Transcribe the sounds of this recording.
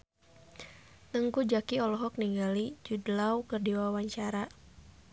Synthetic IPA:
nəŋkud͡ʒakiɔlɔɦɔk̚niŋɡalid͡ʒudlaukərdiwawaɲt͡ʃaɾa

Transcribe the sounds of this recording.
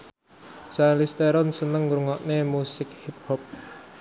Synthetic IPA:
salist̪eɾɔnsənəŋɾuŋɔʔnemusɪk̚hip̚hɔp̚

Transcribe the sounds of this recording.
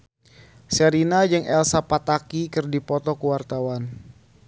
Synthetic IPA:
səɾinad͡ʒɨŋɛlsapat̪akikɨrdipɔt̪ɔkuwart̪awan

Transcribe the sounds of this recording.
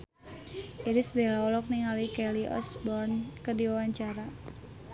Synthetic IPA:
ʔiɾisbelaɔlɔk̚niŋalikɛliʔɔ̰sbɔrnkərdiwawaɲt͡ʃaɾa

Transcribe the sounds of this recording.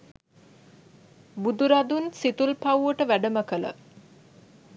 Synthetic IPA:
bud̪uɾad̪unsit̪ulpawʋəʈəʋæɖəməkələ̰

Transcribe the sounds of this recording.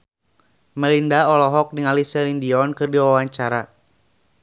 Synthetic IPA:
məlindaɔlɔɦɔk̚niŋalisɛlindiɔnkɨrdiwawaɲt͡ʃaɾa

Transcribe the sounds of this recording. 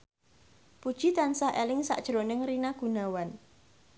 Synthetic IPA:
pud̥ʒ̥i̤t̪ansaɦʔelɪŋsa̰ʔd̥ʒ̥ɾonɪŋrinaɡ̥unawan

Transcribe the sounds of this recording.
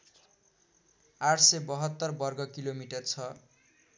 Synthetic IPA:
aʈsebʌɦʌt̪ːʌrbʌrɡʌkilomiʈʌrt͡sʰʌ

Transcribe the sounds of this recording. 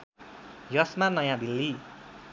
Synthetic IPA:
jʌsmanʌjãd̪ilːi

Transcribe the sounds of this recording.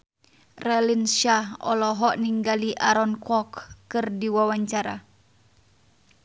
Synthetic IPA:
rɛlinʃahɔ̰lɔɦɔʔniŋɡaliʔaɾɔnkɔkːɨrdiwawaɲt͡ʃaɾa̰

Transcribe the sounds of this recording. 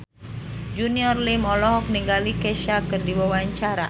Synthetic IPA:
d͡ʒuniɔrlimɔlɔɦɔk̚niŋɡalikɛʃakɨrdiwawaɲt͡ʃaɾa̰

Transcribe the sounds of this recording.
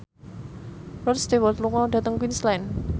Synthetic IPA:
rɔtst̪ewɔt̪luŋɔɖä̤t̪əŋkwinslɛn

